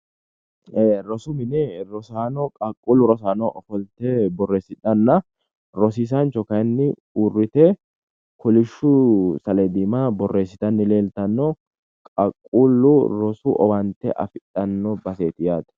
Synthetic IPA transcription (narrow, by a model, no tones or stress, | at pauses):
eːɾɔsʊmɪnɛɾɔsaːnɔkʼɐkʼːulʊɾɔsaːnɔʔɔfɔlt̪ɛbɔrːeːsɪᶑɐnːɐ | ɾɔs̬iːs̬ɐnt͡ʃɔkɐjnːɪ | urːɪt̪ɛ | kʰɔlɪʃːʊsɐlɛd̪iːmabɔrːe̞ːsːɪt̪ɐnːɪle̞ːlt̪ɐnːɔ | kʼɐkʼːuːlːʊɾɔsʊʔɔ̰wɐnt̪ɛ̰ʔɐ̰fɪᶑɐnːɔbɐseːt̪ɪjaːt̪ɐ̥